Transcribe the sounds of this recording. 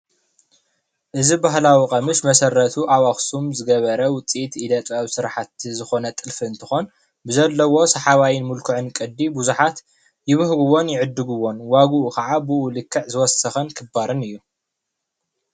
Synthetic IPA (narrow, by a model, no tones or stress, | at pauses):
ʔɨzibaɦlawikʼɐmɨsmɐsɐrːɐt̪ʰuʔawaxsumzɨɡɐβɐɾɐwʊt͡sʼit̪id̪ɐt͡s̪ʼawsɨɾaħat̪zɨxo̞nɐt̪ʼɨlfɨɨnt̪ʰɨxo̞n | bɨzɐlːɐwo̞sɐħaβajɪnmʊlkʰuʕɨnkʼɐd̪ːibuzuħat̪ | jɪβɨhɡuwo̞njɪʕɨd̪ːɨɡuwo̞nwaɡuʔukʰɐʕabɨulɨkʰːɐʕzɨwɔsɐxɐnkʰɨbaɾɨnɨjːu